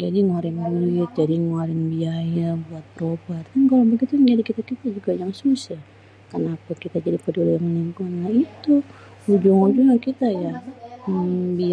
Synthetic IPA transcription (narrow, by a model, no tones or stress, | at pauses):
d͡ʒadiŋoɾɪŋbuit̪̚d͡ʒadiŋaɾɛŋbiajabuat̪̚pɾobat̪dankalabaɡit̪uɲd͡ʒadikit̪akit̪ad͡ʒuɡajaŋsusah | kənapakit̪ad͡ʒadipədulejaŋniŋkunait̪u | ud͡ʒʊŋud͡ʒuŋakit̪ajaəŋbi